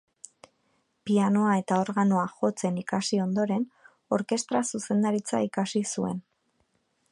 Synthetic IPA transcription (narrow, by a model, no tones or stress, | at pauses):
piano̞ae̞t̪ao̞ɾɣano̞axo̞t͡se̞nikasio̞nd̪o̞ɾe̞n | o̞ɾke̞st̪ɾasuse̞nd̪aɾit͡sa̰ikasisue̞̰n